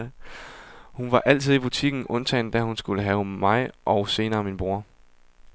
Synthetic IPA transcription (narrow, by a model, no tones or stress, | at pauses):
hunʋɑ̈ʔæl̰t͡sʰiðˠib̥ut͡sʰiɡ̥n̩ɔ̽nt͡sʰɛ̰ɪnd̥æhunsɡ̥uləɦɛʊmɑ̈ɪʔɒ̽ʊse̝ːnɐːminb̥ʁuɐ